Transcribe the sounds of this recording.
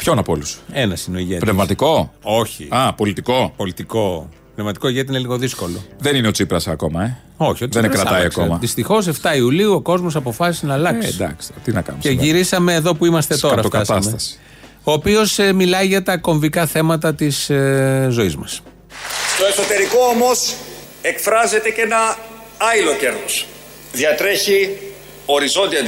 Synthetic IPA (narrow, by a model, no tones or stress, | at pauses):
pço̞nɐpoluse̞nɐsineo̞iʝetpnevvmɐt̪iko̞o̞çḭɐpo̞lit̪iko̞po̞lit̪iko̞ | pnevmɐt̪i̥ko̞iʝet̪ineliɣoðisko̞lo̞̰ðenineo̞t͡sipɾɐsɐːko̞mɐe | o̞çioðenekɾɐt̪ɐjɐskomɐðist̪ixo̞s̬e̞ft̪ɐiuliuoko̞zmo̞sɐpo̞fɐsisnɐːlɐksd̪ɐ̰kst̪et̪inɐkɐ̰numeʝiɾisɐme̞ːðo̞puimɐst̪e̞t̪o̞ɾɐt̪ok̪ɐst̪ɐmst̪ɐsi̥ | o̞ːpio̞smilɐiʝɐt̪ɐko̞ɱvikɐθe̞mɐt̪ɐt̪iszo̞izmɐs | st̪o̞e̞so̞t̪e̞ɾiko̞omo̞s | e̞kfɾɐze̞t̪ece̞nɐ | ɐilo̞ce̞ɾðos | ðjɐt̪ɾe̞çi | o̞ɾizo̞nd̪iɐ